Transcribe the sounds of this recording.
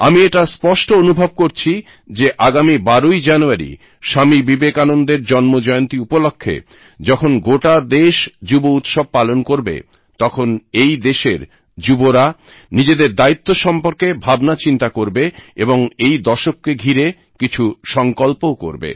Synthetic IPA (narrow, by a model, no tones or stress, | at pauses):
a̰mieʈaspɔʃʈoonubʱob̚koɾt͡ɕʰi | d͡ʑeʔaɡamibaɾoid͡ʑanuaɾḭ | ʃamibibekanond̪eɾd͡ʑɔnmod͡ʑɔeont̪iupolokʰːḛ | d͡ʑɔkʰonɡoʈad̪eʃd͡ʑubout̪ʃob̚palonkoɾbḛ | t̪ɔkʰonejd̪eʃeɾ | d͡ʑuboɾa | nid͡ʑed̪eɾd̪ait̪ːoʃɔmpoɾkebʱabnat͡ɕint̪akoɾbeeboŋejd̪ɔʃokːeɡʱiɾe | kit͡ɕʰuʃɔŋkolpoko̰ɾbḛ